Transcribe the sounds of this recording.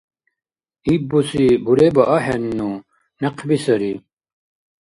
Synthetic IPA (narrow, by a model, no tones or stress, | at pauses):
ibusibuɾebɐʔɐhenːu | nɐqʰbisɐɾi